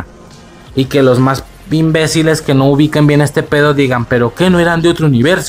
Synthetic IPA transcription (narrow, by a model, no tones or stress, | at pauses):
ike̞lo̞zmas | imbe̞sile̞ske̞no̞uβike̞mbje̞ne̞st̪e̞pe̞ð̞o̞ðiɣampe̞ɾo̞ke̞noe̞ɾand̪eo̞t̪ɾouniβe̞ɾso